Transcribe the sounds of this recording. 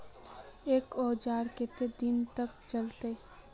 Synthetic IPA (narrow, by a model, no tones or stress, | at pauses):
eːkɔːd͡ʒaːɾket̪ed̪ɪnt̪ək̚t͡ʃəlt̪e